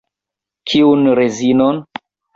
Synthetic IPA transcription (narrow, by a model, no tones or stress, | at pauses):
kʰiunɾezinon